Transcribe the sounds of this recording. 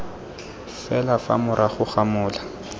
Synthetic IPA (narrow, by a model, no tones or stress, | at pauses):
fɛlafa̰mʊɾʔaχʊχamʊːla